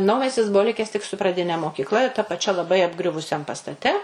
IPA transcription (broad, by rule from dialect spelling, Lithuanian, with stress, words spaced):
ˈnɐʊmʲɛsʲtʲɪs ˈbʊʋoː ˈlʲɪkʲɛs tʲɪk sʊ prɐˈdʲɪnʲɛ moːkʲiːkˈlˠɐ ɪr tɐ pɐˈt͡ʃʲɛ lˠɐˈbɐɪ ɐbˈɡrʲʊʋʊsʲɛm pɐstɐˈtʲɛ